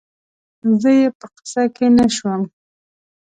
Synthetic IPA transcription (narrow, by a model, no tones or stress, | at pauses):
zəjepəqɪ̥sakenaʃwəm